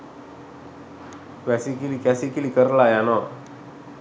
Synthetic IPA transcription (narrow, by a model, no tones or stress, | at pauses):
ʋɛsikilikɛsikilikəɾlajanɔ